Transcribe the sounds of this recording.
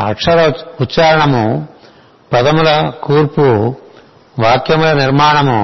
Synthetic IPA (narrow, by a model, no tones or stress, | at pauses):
ɐ̰kʂɐɾɐutːt͡ʃaːɾɐɳɐmu | pɐd̪ɐmulɐkuːɾpu | ʋaːkjɐmulɐniɾmaːɳɐmu